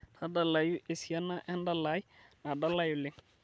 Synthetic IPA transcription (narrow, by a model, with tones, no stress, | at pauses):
tʰa˦da˨la˨ju˦ʔe˨si˨ja˦na˦ʔɛ˦nda˦la˦jna˨da˦la˦ju˨lɪ˦ŋ